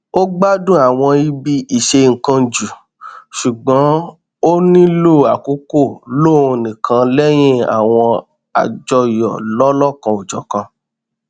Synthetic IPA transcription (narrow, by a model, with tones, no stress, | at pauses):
o˦ɡ͡ba˦dũ˦˨a˨w̃ɔ̃˧i˧bi˧i˨ʃe˧ŋ̩˨kã˧d͡ʒu˨ | ʃu˨ɡ͡bã˨˦ | o˦nĩ˦lo˦˨a˨ku˨˦ko˦˨lo˦˨o˧nĩ˨kʰã˧lɛ˦j̃ĩ˦˨a̰˨w̃ɔ̃˧ | a̰˨d͡ʒɔ˧jɔ̰˨lɔ˦lɔ˦˨kã˧o˨d͡ʒɔ̰˨kã˧